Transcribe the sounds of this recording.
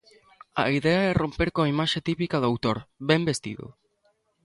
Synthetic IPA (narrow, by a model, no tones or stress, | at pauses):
ɐ̰iðɛɐɛrompeɾkoaimaʃet̪ipikɐðʊawt̪oɾbɛmbest̪ḭðʊ̰